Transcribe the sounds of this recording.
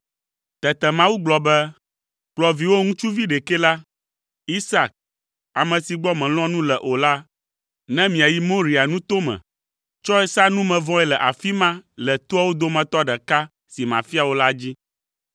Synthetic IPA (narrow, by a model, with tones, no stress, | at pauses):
t̪ɛ˨t̪ɛ˨mã˦wu˦ɡ͡blɔ˨bɛ˦ | k͡plɔ˨vi˨wo˦ŋũ˦t͡ʃu˦vi˦ɖɛ˨kɛ˦la˦ | i˦sa˦˨k̚ | a˨mɛ̃˨si˨ɡ͡bɔ˦mɛ̃˨l̃ɔ̃˦nũ˦lɛ˨ʔo˨la˦ | nɛ̃˦mĩ˨a˨ji˦mõ˦ɾi˨a˨nũ˦t̪o˦mɛ̰̃˨ | t͡ʃɔ˦ɛ˦sa˦nũ˦mɛ̃˨vɔ̃˦ɛ˦lɛ˨ʔa˨fi˦mã˦lɛ˨t̪o˦a˦wo˦d̪o˦mɛ̃˨t̪ɔ˦ɖɛ˨ka˦ | si˨mã̰˨fi˦a˨wo˦la˦d͡ʑi˦